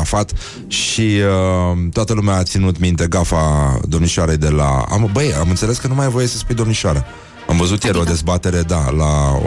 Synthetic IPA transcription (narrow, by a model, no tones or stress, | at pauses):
afat̪ | ʃiət̪oat̪əlumeaːt̪sinut̪mint̪e̞ɡafad̪o̞mniʃaɾejd̪e̞la̰a̰mbəjamɨnt̪se̞le̞skənumajvo̞jesəspujd̪o̞mniʃaɾa | a̰mvəzut̪jeɾʲo̞d̪e̞zbat̪e̞ɾe̞d̪ala